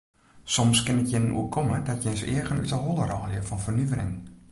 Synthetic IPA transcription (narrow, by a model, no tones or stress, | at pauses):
sɔmskɪnətjɪnənʔṵəkʰɔmədɔtjɪnsɪ̰əɣəny̰təɦolˠərɔːljəfɔnfərnyʋəɾɪ̰ŋ